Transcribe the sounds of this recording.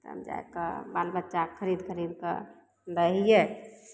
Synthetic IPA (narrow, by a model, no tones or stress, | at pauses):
t̪ə̰md͡ʒa̰ḛkəbalbətːʃakʰəɾid̪kʰəɾid̪kə̰ | ɾəɦije